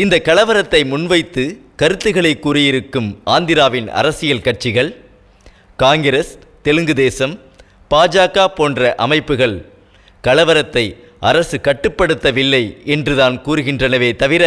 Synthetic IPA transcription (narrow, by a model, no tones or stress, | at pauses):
ɪnd̪ɐkːɐlɐʋɐɾɐt̪ːɐɪmʊnʋɐɪt̪ːɯkɐɾɯt̪ːɯɣɐɭɐɪkːuːɾɯjɪɾɯkːɯmaːnd̪ɪɾaːʋɪnɐ̰ɾɐsɪjɐlkɐʈ̚t͡ʃɪɣɐɭ | kaːŋɡɪɾɐs | t̪ɛlɯŋɡɯðeːsɐm | paːd͡ʒaːkaːpoːndrɐʔɐmɐɪpːɯɣɐɭ | kɐlɐʋɐɾɐt̪ːɐɪ | ʔɐɾɐsɯkɐʈːɯpːɐɽɯt̪ːɐʋɪlːɐɪɛndrɯðaːnkuːɾɯɣɪndrɐnɐʋeːt̪ɐʋɪɾɐ